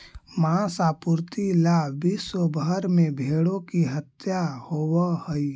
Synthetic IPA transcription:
mãsaːpuɾt̪ilaːbiːsobəəɾmẽbʱeːɽõkiɦət̪jahoːwahəi

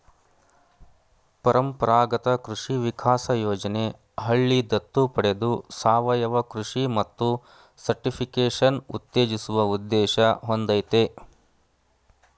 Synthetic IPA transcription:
pɐɾɐmpɐɾaːɡɐt̪ɐkɾuʂiʋikʰaːsɐjoːd͡ʒɐne̞ | ɦɐɭːid̪ɐt̪ːupɐɽed̪usaːʋɐjɐʋɐkɾuʂimɐt̪ːu | sɐɾʈipʰikeːʂɐnṵt̪ːeːd͡ʒisuʋɐud̪ːɛːʃɐɦond̪ɐjt̪e

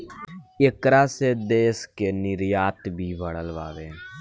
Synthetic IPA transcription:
ekɾased̪eːskenɪɾjaːt̪bʱibʱəɽəlʋaːʋeː

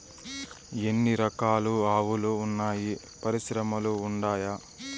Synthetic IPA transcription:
e̞nːiɾɐkaːluaːʋuluːnːaːji | pɐɾiʃɾɐmɐluːɳɖaːja

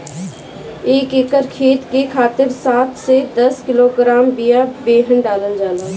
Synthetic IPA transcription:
eːkeːkəɾkʰeːt̪kekʰaːt̪ɪɾsaːt̪ʰsed̪əskiloɡɾaːmbijabeːɦənɖaːlənd͡ʒaːlə

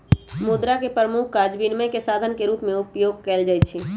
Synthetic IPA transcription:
mud̪ɾakepɾəmʊkʰkad͡ʒbinmə̃kesaːd̪ʱənkeɾuːpmẽʊpjoːɡ̚kɛːld͡ʒaːjt͡ʃʰi

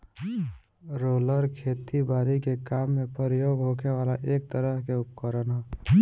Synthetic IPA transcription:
ɾoləɾkʰet̪ibaɾikekamːepəɾijoɡɦokʰewalaʔekt̪əɾəɦkeupkəɾənɦɔ

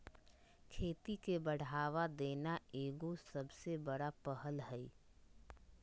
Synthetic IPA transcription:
kʰeːt̪ikebəɽ̤aːʋad̪eːnaeːɡosəbsebəɽapəɦəlɦɛi

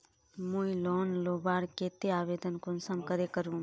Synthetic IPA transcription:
muilɔːnloːbaːɽket̪eaːʋeːd̪ənkʊnsəmkəɾekəɾũ

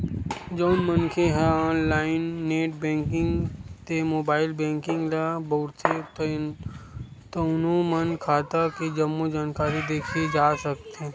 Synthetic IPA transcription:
d͡ʒɔːnmənkʰeɦɛɔːnlaːɪnːeːʈbẽːŋkɪ̃ŋɡt̪emoːbaːɪlbɛ̃ːŋkɪ̃ŋɡlabɐʊɾset̪ | t̪onomənkʰaːt̪aked͡ʒɐmːod͡ʒaːnkaːɾid̪eːkʰed͡ʒaːsək̚t̪e

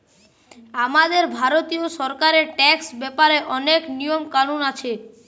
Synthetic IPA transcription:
amad̪eɾbʱaɾot̪ioʃɔɾkaɾeʈɛksbɛpaɾeʔɔneknijomkanunat͡ɕʰe

